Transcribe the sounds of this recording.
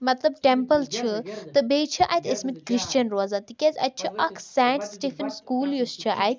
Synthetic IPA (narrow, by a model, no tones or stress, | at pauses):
mɐt̪lɐbʈẽmpəlt͡ʃʰɨt̪əbeːt͡ʃʰɨʔa̰jt̪ʰʲɐsmit̪kɾiʃt͡ʃɐnɾoːzat̪ikezɐ̰t̪̚t͡ʃʰɨʔɐkʰsãːɳʈsʈeːfɐnskuːljust͡ʃʰɨʔa̰jt̪̚ʲ